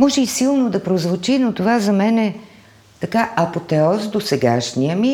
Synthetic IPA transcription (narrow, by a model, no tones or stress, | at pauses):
mɔʒɛisilˠnod̪ɐpɾozvot͡ʃinot̪ovazɐmɛnɛ | t̪ɐkaʔɐpot̪ɛɔsd̪osɛɡa̰ʃnijəmi